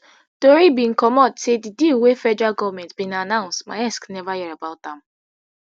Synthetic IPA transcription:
toɾibĩn̩kɔmɔdsedidewefɛd͡ʒaɡɔvmɛ̃ntbĩnanãʊ̃nstmaɪasknɛvajɛɾabaʊt̚dãm̩

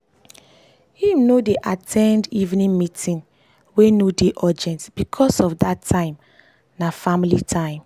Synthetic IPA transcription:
hĩmnodeʔatʰɛ̃ndivnĩmitʰĩn | wenodeʔɔd͡ʒɛ̃ntb̥ikʰɔsɔfdatʰːãɪ̃m | nafamilitʰãɪ̃m

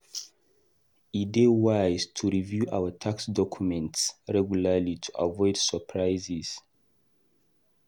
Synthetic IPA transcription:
idewajztʰuɹivjuʔa̰wətʰaksdɔkʰjumɛ̃ntsɹɛɡjulalitʰu̥ʔa̰vɔɪdsəpʰɹajziz̥

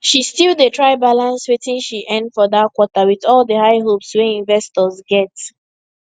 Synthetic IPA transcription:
ʃistilˠdetʰɹaɪbalãnswetĩnʃiʔɛ̃ndfɔðakwɔtawiðɔlˠdəhaɪɦopswɛĩnvɛstɔzɡɛt

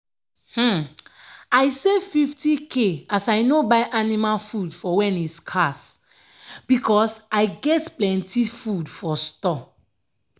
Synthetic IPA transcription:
hm̩ | aɪsefiftikʰeasajnobajʔanimalfudfɔwɛ̃niskʰas | b̥ikɔsajɡɛtplɛ̃ntifudfɔstɔ

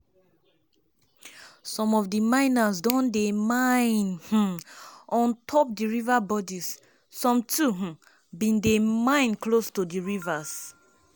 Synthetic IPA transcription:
sɔ̃mɔfdimãɪ̃nasdɔ̃ndemaɪ̃nh̩ | ɔ̃ntʰɔp̚diɹivabɔdisː | ɔ̃mtʰuɦ̩ | bĩndemãɪ̃nklostudiɹivas

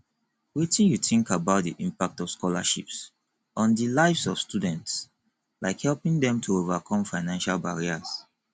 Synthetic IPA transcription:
witĩjuθĩŋkabaʊt̚dḭʔĩmpak̚tɔvskɔla̰ʃips | ɔ̃ndəlaɪvsɔv̥studɛ̃nts | laɪkhɛlpĩŋdɛ̃mtʰuovakʰɔ̃mfaɪnãnʃalbaɹiaz̥

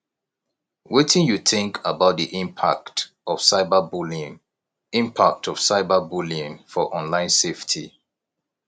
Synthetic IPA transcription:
wetĩnjuθɪ̃ŋkʰəbaʊt̚ðiʔĩmpʰa̰kt | ɔfsaɪbəbuliŋ | ĩmpʰak̚tʰɔv̥saɪbəbulĩŋfɔʔɔ̃nlãɪ̃nseftʰḭ

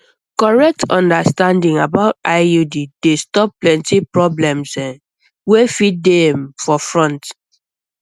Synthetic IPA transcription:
kɔɹɛk̚tʰɔ̃ndastãndĩŋabaʊtaɪjudid̥estɔp̚ːlɛ̃ntipɹɔblɛ̃msɛ̃ | wefit̚demfɔfɹɔ̃nt

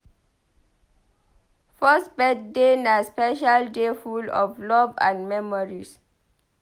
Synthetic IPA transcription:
fɔsbɛddenaspɛʃaldefulɔ̰flɔbã̰nmɛmɔɹis

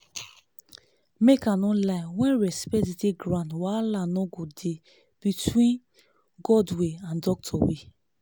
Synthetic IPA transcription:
mekanɔ̃laɪwɛ̃nɹɛspɛtideɡɾãntwalanɔɡode | b̥itʰwĩn | ɡɔdweãndɔk̚tʰɔwe

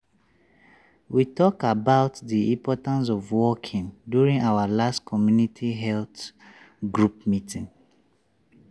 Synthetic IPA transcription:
witɔkabaʊtðiĩmpʰɔtãns̬ɔvwɔkʰĩŋdjuɹĩŋawalastkʰɔmjunitʰiɦɛlt | ɡɹup̚mitʰĩŋ

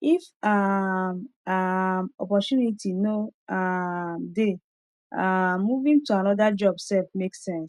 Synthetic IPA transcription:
ifamamɔpɔtjunitʰinoamde | aːuvĩŋtuanɔdad͡ʒɔbsɛlfmeksɛ̃ns

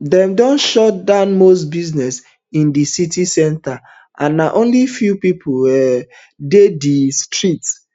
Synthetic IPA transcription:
dɛ̃mdɔ̃nʃɔtdamosbiznɛs | ĩndisitisɛ̃nta | ʔã̰nːaʔõnlifjupipʰoɛ | dedistɹit

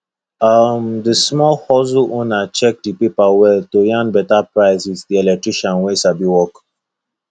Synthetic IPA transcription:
amd̪əsmɔhɔzuʔũnat͡ʃɛk̚dipipawɛlt̪ojãnbɛt̪apɾajzizd̪iɛlɛʈɾiʃãnwesabiwɔk

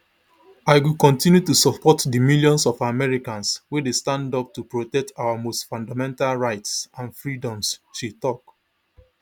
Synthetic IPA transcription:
aɪwikɔ̃ntĩnjutusɔpʰɔtdimiljɔ̃nsɔfamɛɹikãnswedestãndɔp̚tupɹotɛk̚tʰawamostfɔ̃ndamɛ̃ntalɹaɪtsãnfɹidɔ̃msʃitɔk

